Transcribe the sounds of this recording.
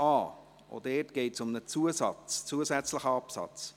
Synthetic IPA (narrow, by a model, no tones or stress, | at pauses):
ɑː | o̰d̥ɛːtɡ̥eɪtsʊmnət͡suəsɑt͡st͡suəsæt͡sləχəɑpsɑ̰t͡s